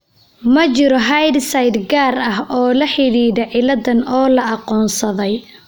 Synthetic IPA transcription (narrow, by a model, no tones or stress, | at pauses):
mɐt͡ʃɪɾɔɦajd̪sɐjd̪ɡaːrɐɦɔːlɐħɪɽiːðɐʕɪlɐd̪ɐnɔːlɐɑqɔːnsɐðɛj